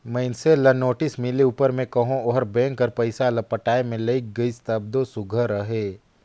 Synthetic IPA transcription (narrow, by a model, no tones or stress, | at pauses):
mɛ̃ɪnselɐnoːʈɪsmɪleuːpəɾmẽkɐɦõoɦɾbẽːŋkɐɾpɐɪsalɐpəʈaːemẽleiɡəɪst̪əb̚d̪osʊɡʱəɾəɦeː